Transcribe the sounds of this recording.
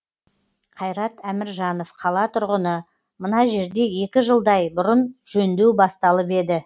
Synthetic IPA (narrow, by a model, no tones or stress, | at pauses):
qʰɑjɾɑt̪æmɪɾʒɑno̞fqʰɑlˠɑt̪ʰʊɾʁənə | mənɑʒe̞ɾd̪e̞je̞kʲɪʒəlˠd̪ɑjbʊɾənʒɵnd̪e̞wbɑst̪ɑlˠəpe̞d̪ɪ